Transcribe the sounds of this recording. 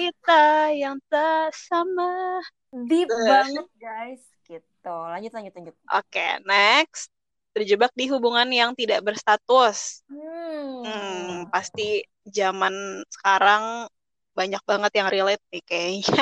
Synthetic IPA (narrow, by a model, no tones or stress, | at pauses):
it̪ajaŋt̪asama | dibaɲak̚ɡajs | ɡit̪ulaɲd͡ʒʊt̪̚laɲd͡ʒʊt̪̚laɲd͡ʒʊt̪̚ʔo̰kḛnɛkst̪ | tːərd͡ʒəbak̚diɦubuŋanjaŋt̪idaʔbərst̪at̪ʊs̩ | m̩past̪i | d͡ʒamansə̥kaɾaŋ | baɲak̚baŋət̪jaŋrilɛt̪̚nɪhkajaiɲa